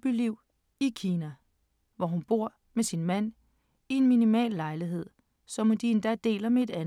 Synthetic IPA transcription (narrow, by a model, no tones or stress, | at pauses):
b̥iliʊ̰ | ikʰiːnæ | ʋɒɦunb̥o̝ɐ̰ | mesinmæn̰ | ienminimɛ̰ːlːɑ̈ɪliɦe̝ð̞̰ˠ | sɒ̽md̥ind̥æd̥e̝̰ːlɐmee̝dæn